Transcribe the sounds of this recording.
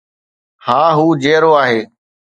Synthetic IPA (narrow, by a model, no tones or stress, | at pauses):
haːɦuːd͡ʒeːɾoːaːɦeː